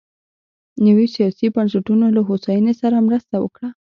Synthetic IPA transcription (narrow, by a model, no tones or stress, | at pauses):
nəwisijɑsibansaʈunolaɦosɑjɑnesaɾamɾəst̪awə̰kɽa